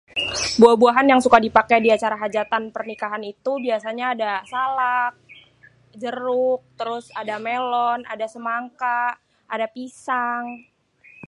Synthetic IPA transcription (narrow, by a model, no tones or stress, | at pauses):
buahbuaɦanjaŋsukadipakɛjdiat͡ʃaɾaɦad͡ʒat̪anpərnikaɦanit̪ubiasaɲaːdasalak̚ | d͡ʒəɾʊk̚t̪əɾʊsadamelɔna̰dasəmaŋka | ʔadapisaŋ